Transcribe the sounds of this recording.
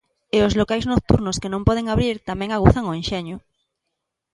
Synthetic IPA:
eozlokajznok̚t̪uɾnoskenõmpɔð̞eŋaβɾiɾt̪amɛ̃ŋaɣuθaŋoenʃeɲʊ

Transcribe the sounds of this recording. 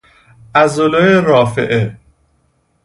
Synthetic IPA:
ʔæzolojeɾɒːfḛʔe

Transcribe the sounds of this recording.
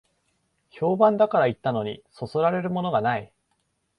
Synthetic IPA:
ço̞ːbãnd̪akaɾait̪ːano̞ɲ̟iso̞so̞ɾaɾe̞ɾɯ̟mo̞no̞ɡanai

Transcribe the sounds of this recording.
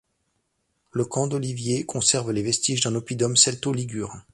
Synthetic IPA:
ləkʰɑ̃d̪ɔlivjekʰɔ̃sɛʁvlevɛst̪iʒd̪ɛ̃nɔpid̪ɔmsɛlt̪oliɡʲyːʁ̃

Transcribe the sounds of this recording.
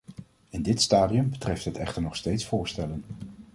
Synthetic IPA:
ɛndɪtstaːdiɵmbətrɛftɦətɛχtəɹnɔχstejtsfʊːɹstɛlən

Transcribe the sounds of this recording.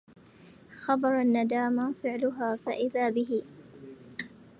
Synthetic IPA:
xɑbɑɾˤanːad̪aːmafɪʕlʊɦaːfaʔɪðaːbɪɦɪ

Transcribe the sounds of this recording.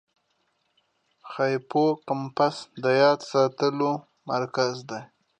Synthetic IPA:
xajpokampasd̪əjɑd̪sɑt̪əlo | maɾkazd̪a

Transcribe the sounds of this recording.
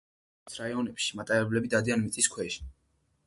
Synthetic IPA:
sʰɾaiɔnɛpʃi̥mat̪ʼaɾɛblɛbid̪ad̪ianmit̪sʼiskʰwɛʃi̥

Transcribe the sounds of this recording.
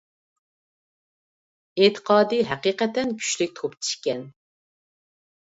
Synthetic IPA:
et̪ʰə̥qʰɑːd̪ɨɦɛqiqɛt̪ɛnkʲʰy̥ʃlyk̚ʲt̪ʰopt͡ʃʰi̥ʃkʲɛn

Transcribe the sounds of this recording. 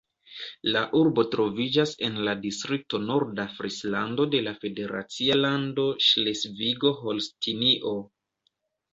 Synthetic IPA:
laʔuɾbo̞tɾo̞vid͡ʒase̞nladistɾik̚to̞no̞ɾdafɾislando̞de̞lafe̞de̞ɾa̰t͡sialando̞ʃlesviɡo̞ɦolstiniʔo̞

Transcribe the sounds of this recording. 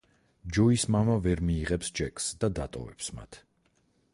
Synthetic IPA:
d͡ʒɔismamavɛɾmiːʁɛpsd͡ʒɛkʼsd̪ad̪at̪ʼɔ̰vɛpsma̰t̪ʰ

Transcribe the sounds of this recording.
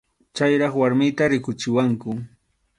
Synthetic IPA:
t͡ʃajɾɑχwaɾmɪjt̪aɾɪkʊt͡ʃɪwaŋkʊ

